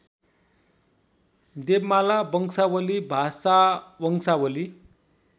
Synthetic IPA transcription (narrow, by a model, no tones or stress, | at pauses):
d̪ebmalabʌŋsawəlibʱasawʌŋsawəli